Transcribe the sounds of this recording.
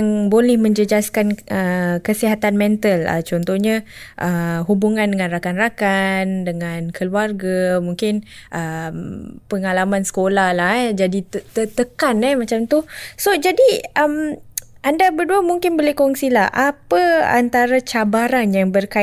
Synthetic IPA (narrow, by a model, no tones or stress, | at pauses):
ŋbolɛhmə̃ɲd͡ʒəd͡ʒaskanəkəsiɦat̪anmɛnt̪ələ̰t͡ʃɔnt̪ɔhɲaʔəɦubuŋãndəŋãnrakanrakandəŋãnkʰəluarɡamuŋkɪnʔəmpəŋalamãnsə̥kolahlahd͡ʒadit̪t̪ət̪əkanɛhmat͡ʃamt̪usod͡ʒadiʔəm | ʔandabərduəmuŋkɪnbolɛhkɔŋsilahʔapəa̰nt̪aɾat͡ʃabaɾanjaŋbərka